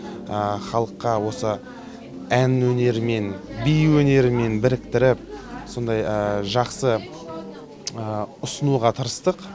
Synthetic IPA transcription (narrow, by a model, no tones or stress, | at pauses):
əχɑlˠəqːɑwo̞sə | ænwɵne̞ɾɪme̞nbijwɵne̞ɾɪme̞nbɪɾɪkt̪ɪɾɪp̚so̞nd̪ɑjəʒɑqsə | əʊsənuʁɑt̪ʰəɾəst̪əq